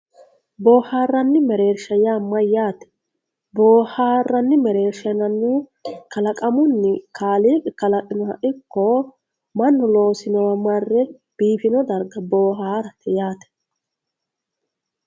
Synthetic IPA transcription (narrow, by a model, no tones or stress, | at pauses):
boːhaːrːɐnːɪmɛɾe̞ːɾʃɐjamːɐjaːt̪ɛ̥ | boːhaːrːɐnːɪmɛɾe̞ːɾʃɐnɐnːɛkɐlɐkʼɐmʊnːɪkʰaːliːkɛkɐlɐkʼɪnɔhɐ̰ʔɪkːɔ | mɐnːʊlo̞ːsɪnɔwɐmɐrːɛ | b̥iːfɪnɔd̪ɐɾɡɐboːɦaːɾɐt̪ɛjaːt̪ɛ̥